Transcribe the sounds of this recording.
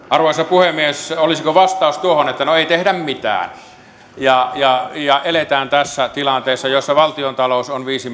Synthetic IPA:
ʔɑrʋoˑjsɑpuhemːiesolisikoʋɑst̪ɑˑust̪uohonet̪ːænoeit̪ehdæmmit̪æ̰ːn | jɑjɑjɑʔelet̪æːnt̪æsːæt̪ilɑnt̪eːsːɑjosːɑʋɑlt̪iont̪ɑlousonʋiːsi

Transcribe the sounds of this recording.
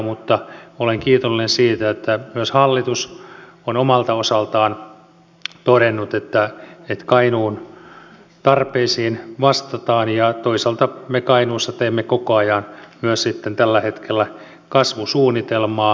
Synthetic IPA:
mut̪ːɑoleŋkiːt̪olːinensiːt̪æet̪ːæmyøshɑlːit̪us | onomɑlt̪ɑosɑlt̪ɑːn | t̪oɾenːut̪et̪ːæet̪kɑinuːn | t̪ɑrpeisiːnʋɑst̪ɑt̪ɑːnjɑt̪oisɑlt̪ɑmekɑinuːsːɑt̪eːmːekokoɑjɑnmyøssit̪ːent̪ælːæhet̪kelːæ | kɑsʋusuːnːit̪elmɑː

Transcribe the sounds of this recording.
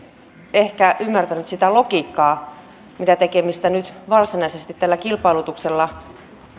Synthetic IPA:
ehkæʔymːært̪ænyt̪sit̪ælo̞kiːkːɑː | mit̪æt̪e̞ke̞mist̪ænyt̪ʋɑrsinɑise̞st̪it̪t̪ːælːækilpɑjlut̪ukse̞lːɑ

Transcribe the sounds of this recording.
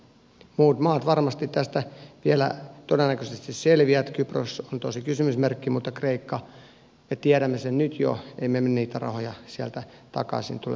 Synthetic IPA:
muːt̪mɑːt̪ʋɑrmɑst̪it̪t̪æst̪æʋielæ̰t̪odenːækøsest̪isselʋiæt̪kypro̰sont̪osikysymysmerkːimut̪ːɑkreikːɑ | met̪iæɾæmːesennyt̪jo̰eimemenːniːt̪ærɑ̰hojɑsiælt̪æt̪ɑ̰kɑ̰sḭnt̪ulḛ

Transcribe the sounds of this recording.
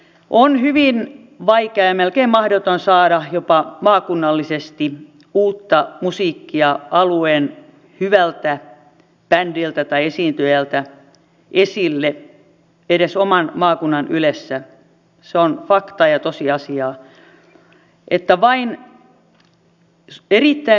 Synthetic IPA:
ʔonhyʋin | ʋɑikeɑjɑmelkeimmɑhdot̪onsɑːɾɑjopɑmɑːkunːɑlːisest̪i | uːt̪ːɑmusiːkːiɑʔɑlueːn | hyʋælt̪æ | pændilt̪æt̪ɑiesiːnt̪yjælt̪æ | ʔesilːe | eɾesomɑnmɑːkunːɑnylesːæ | seonfɑkt̪ɑjɑt̪osiɑsiɑː | ʔet̪ːæʋɑin | erit̪ːæi

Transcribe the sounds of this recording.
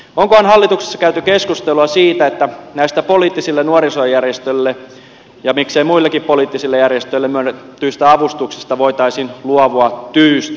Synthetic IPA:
oŋkohɑnhɑlːit̪ukse̥sːɑkæyt̪ykeskust̪eluɑsiːt̪æet̪ːænæist̪æpoliːt̪ːisilːenuɑɾisoɑjærjest̪ølːe | jɑmikseimuilːekippoliːt̪ːisilːejærjest̪øilːemyønt̪ːyːst̪æɑʋust̪uksi̥st̪ɑʋoit̪ɑisinluɑʋoɑtt̪yːst̪

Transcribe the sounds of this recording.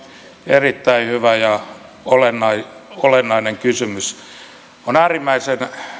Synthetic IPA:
erit̪ːæihyʋæjɑ | olenːɑiolenːɑineŋkysymys | onæːrimːæisen

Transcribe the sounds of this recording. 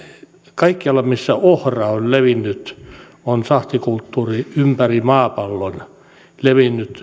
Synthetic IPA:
kɑikːiɑlːɑmisːæohrɑolleʋinːyt̪ | onsɑht̪ikult̪ːuːriympærimɑːpɑlːon | leʋinːyt̪

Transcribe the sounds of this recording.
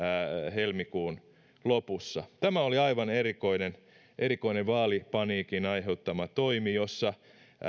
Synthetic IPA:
helmikuːn | lopusːɑt̪æmæoliɑiʋɑnerikoinen | ʔeɾikoineʋʋɑːlipɑniːkinɑiheut̪ːɑmɑt̪oimijosːɑ

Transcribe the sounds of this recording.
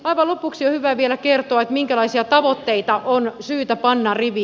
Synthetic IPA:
ɑiʋɑlopuksiohyʋæʋielækert̪oɑet̪miŋkælɑisiɑt̪ɑʋot̪ːeit̪ɑʔonsyːt̪æpɑnːɑriʋi

